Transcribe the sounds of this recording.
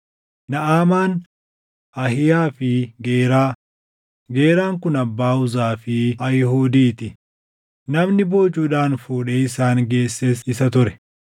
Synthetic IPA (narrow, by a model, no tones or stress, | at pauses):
nɐʔaːmaːn | ɐhɪjaːfɪɡeːɾaː | ɡe̞ːɾaːŋkʊnɐbːaːʊzaːfɪɐjɪhuːd̪iːt̪ɪ | nɐmnɪbo̞ːt͡ʃːuːᶑaːnfuːᶑeːɪsaːnɡe̞ːsːeːsɪsɐt̪ʊɾɛ̥